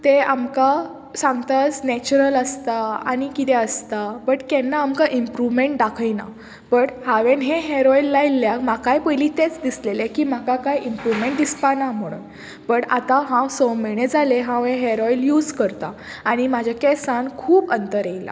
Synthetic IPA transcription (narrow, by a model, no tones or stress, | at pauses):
t̪eamka | sãŋɡt̪at͡snɛt͡ɕuɾələst̪aa̰ñikit̪ɛəst̪abəʈkɛnːaːmkaʔimpɾuʋmeɳʈd̪akʰəjna̰ | bəʈhaʋẽnɦẽɦeɾɔilːailːjakmakajpəjliːt̪et͡sd̪islelekiːm̤akakajimpɾuʋmeɳʈ̚d̪ispanam̤əɽ̃ṵːn | bəʈa̰t̪ãɦãwsɔwmiɽ̃ẽd͡zʱaleɦãwɦẽɦeɾɔiljuːd͡zkəɾt̪aː | ɽ̃imad͡ʑʱakɛsãnkʰuːbənt̪əɾejla̰